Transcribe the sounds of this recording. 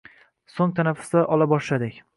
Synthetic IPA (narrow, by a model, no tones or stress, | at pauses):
soŋt̪ʰanafʊ̥sd̪aʔɒlabɒʃlad̪ɪkʲ